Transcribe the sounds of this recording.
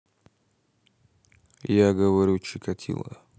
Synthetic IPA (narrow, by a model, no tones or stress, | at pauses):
jaɡəvɐɾʲut͡ɕɪkɐtʲʰḭlˠə̰